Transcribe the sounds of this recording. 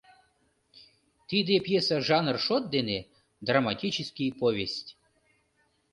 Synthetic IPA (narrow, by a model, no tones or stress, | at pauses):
t̪id̪epjesaʐɑnrʂot̪̚d̪ene | d̪ramatʲit͡ɕɪskʲijpovʲesʲtʲ